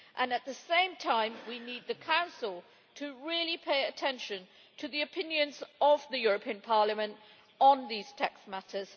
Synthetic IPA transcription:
ʔə̃nɨt̪̚ðɨsẽɪ̃mtʰãɪ̃mwinid̪̚ðɨkʰãʊ̃nsəl̩ˠ | tʰɨɹɪlˠipʰeɪɨtʰɛ̃nʃɨ̃n | tʰɨðiɨpʰɪ̃njɨ̃nzəvðɨjʊɹəpʰĩɨ̃npʰɑɹləmɨ̃nt | n̩ðiz̥tʰɛksmætəz̥

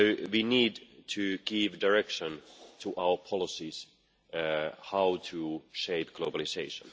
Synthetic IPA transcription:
wiːniːdtʰɨɡ̥ɪvdaɹɛkʃə̃ntʰuʔaʊə˞pʰɔlɪsis | haʊtʰuʃeɪp̚ɡ̥lobəlɪseɪʃə̰̃n

